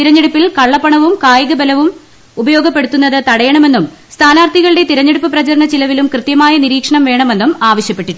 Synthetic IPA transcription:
t̪iɾɐɲːeɽupːilkɐɭːɐpːɐɳɐʋumkaːjɐɣɐbɐlɐʋum | ubɐjo̞ːɡɐpːe̞ɽut̪ːunːɐðɨt̪ɐɽɐjɐɳɐme̞nːum | st̪ʰaːnaːrt̪ʰiɣɐɭɨɽet̪iɾɐɲːeɽupːɨprɐt͡ɕɐɾɳɐt͡ɕilɐʋilumkrɨt̪jɐmaːjɐniɾiːkʂɐɳɐmʋe̞ːɳɐme̞nːumaːʋɐɕjɐpːe̞ʈːiʈːu

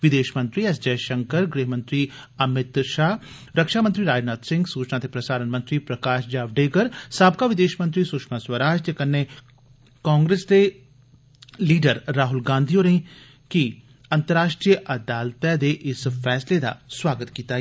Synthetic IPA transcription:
ʋɪd̪eːʃmə̃nt̪ɾiːɛsd͡ʒəːʃəŋkəɾɡɾeːɦmə̃nt̪ɾiː | əmɪt̪ʃaː | ɾəkʃaːmə̃nt̪ɾiːɾaːd͡ʒnaːd̪sɪ̃ŋɡsuːt͡ʃnaːt̪epɾəsaːɾənmə̃nt̪ɾiːpɾəkaːʃd͡ʒaːʋɖeːɡəɾsaːb̚kaːʋɪd̪eːʃmənt̪ɾiːsʊʃmaswəɾaːd͡ʒd͡ʒəkənːe | kãːŋɡɾeːsd̪eː | liːɖəɾːaːɦʊlɡãːnd̪ʱijoɾĩ | ki | ɐ̃nt̪əɾaːʃʈɾijəʔɐd̪aːlt̪ɛd̪eːʔɪsfʰɛːsled̪a̰swaːɡət̪kiːt̪aː

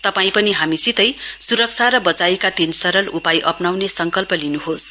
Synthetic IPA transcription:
t̪ʌpaĩpʌniɦamisit̪ʌjsuɾʌk̚t͡sʰaɾʌbʌt͡sajikat̪insʌɾʌlupajʔʌpnawnesʌŋkʌlpʌlinuɦos

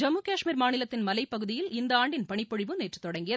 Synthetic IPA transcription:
d͡ʒɐmːuːkaːʂmiːɾmaːnɪlɐt̪ːɪnmɐlɐɪpːɐɣɯðɪjɪlɪnd̪ɐaːɳɖɪnpɐɳɪpːɔɻɪʋɯneːʈrɯ̥t̪ːɔɽɐŋɡɪjɐð

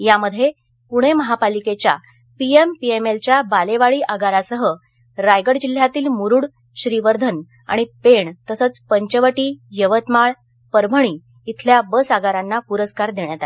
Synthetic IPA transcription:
jaməd̪ʱːje | puɽ̃eməɦapaliket͡ɕja̰ | piempiemelt͡ɕjabaleʋaɭiːʔaɡaɾasəɦə | ɾajɡəɽd͡ʑil̤jat̪iːlmuɾuːɽ | ɕɾiʋəɾd̪ʱən | a̰ɽ̃ipeɳt̪əsət͡spəɲt͡ɕəʋəʈiːjəʋət̪maɭ | pəɾbʱəɽ̃iː | t̪ʰljabəsaɡaɾanːapuɾəskaɾd̪eɳ̃jat̪a

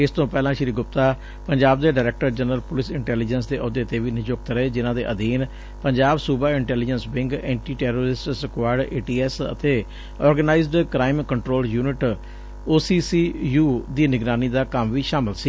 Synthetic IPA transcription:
ɪst̪õːpɛːlãːʃɾiːɡʊp̚t̪aː | pəɲd͡ʒaːb̚d̪eːɖaːɾɛːk̚ʈəɾd͡ʒənɾəlpʊlɪsɪɳʈɛːliːd͡ʒəns̬d̪eːʔɔd̪eːt̪eːʋiːnɪd͡ʒokt̪ɾəeːd͡ʒɪnãːd̪ḛːʔəd̪iːn | pəɲd͡ʒaːbsuːbaːɪɳʈɛːliːd͡ʒənsbɪ̃ŋɡɛ̃ːɳʈiːʈɛːɾoːɾɪsʈsəkʋaːɾɖḛːʈiːɛːsə̰t̪eː | ɔːɾɡənaːɪzɖkɾaːɪmkəɳʈɾoːljuːnɪʈ | oːsiːsiːjuːd̪iːnɪɡɾaːniːd̪aːkəmʋiːʃaːmɪlsiː

